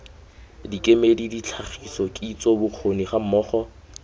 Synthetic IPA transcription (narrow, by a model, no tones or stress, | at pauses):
dikʼemedidit͡ɬʰaχʰisɔkʼit͡sʼɔbʊq͡χʰoniχam̩mɔːχɔ